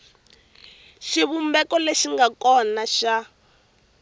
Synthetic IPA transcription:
ʃiβumbɛkɔleʃiŋɡakɔnaʃa

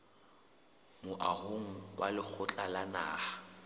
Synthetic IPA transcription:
mʊʔahoŋ̩wʔalɪk͡xʰʊt͡ɬʼalana̰ːha

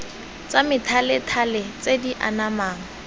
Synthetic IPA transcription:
t͡samɪtʰalɪtʰalɪt͡sʼediʔa̰namaːŋ̩

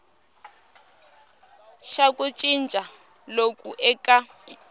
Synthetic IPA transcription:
ʃakʼut͡ʃʼint͡ʃʼa | lokʼuʔɛkʼa

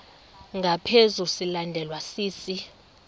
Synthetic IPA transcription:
ŋɡʱapʰezusilandʱɛlwasiːsi

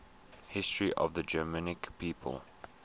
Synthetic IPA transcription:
hɪstɹiʔɔ̰vðəd͡ʒɜmənɪkpʰiːpʰə̰lˠ

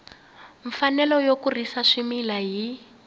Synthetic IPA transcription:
ɱfanɛlɔjokurisaʂimilaɦi

